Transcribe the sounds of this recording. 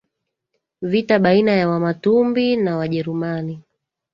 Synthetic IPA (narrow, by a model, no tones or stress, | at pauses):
vitaɓainajawamatumbinawaʄɛɾumani